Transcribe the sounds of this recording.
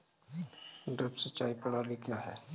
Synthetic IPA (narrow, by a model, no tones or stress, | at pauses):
ɖɾepsət͡ʃaːipɐɽaːlikjaːɦɛː